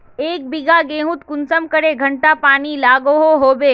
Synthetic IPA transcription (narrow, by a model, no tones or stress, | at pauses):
eːk̚bɪɡaɡẽːɦʊt̪kʊnsəmkɐɾeɡʱɐɳʈapaːnilaːɡoɦoɦoːbeː